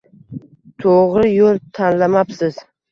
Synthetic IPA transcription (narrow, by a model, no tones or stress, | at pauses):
t̪ʰoʁɾɪjolˠt̪ʰanlamapsɪz̥